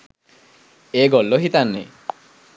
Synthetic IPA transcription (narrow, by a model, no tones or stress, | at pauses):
eːɡɔlːoɦit̪anːḛ